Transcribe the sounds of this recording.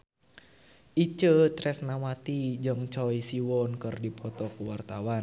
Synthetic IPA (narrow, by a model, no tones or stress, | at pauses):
ʔit͡ʃət̪ɾɛsnamat̪id͡ʒɨŋt͡ʃɔisiwɔnkərdipʰɔt̪ɔkuwart̪awan